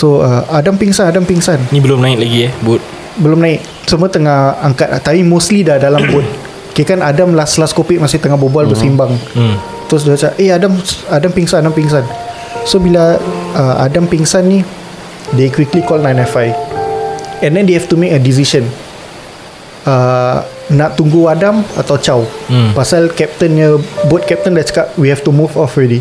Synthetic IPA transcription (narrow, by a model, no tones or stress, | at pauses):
soəadampiŋsanadampiŋsannibəlʊmnãɪk̪̚laɡiɛbʊt̪̚ | bəlʊmnãɪt̪̚ | səmuat̪əŋahaŋkat̪̚at̪apimostlidadalambʊt̪̚ | kiakanadamlaslaskopɪʔmasɪht̪əŋahbobualbəsimbaŋ̩ | t̪ɾʊs̬daat͡ʃaʔeadamadampiŋsanadampiŋsan | sobilaəa̰dampiŋsanːi | dekwiklikɔlnajnɛfaj | ɛ̃ndɛ̃ndehɛft̪umekədis̬iʃən | ə | nãʔt̪uŋɡuadama̰t̪awt͡ʃawpasalkɛp̚t̪ənɲəbʊt̪̚kɛp̚t̪əndɛt͡ʃə̥kaʔ̚wihɛft̪umufɔfɹɛdi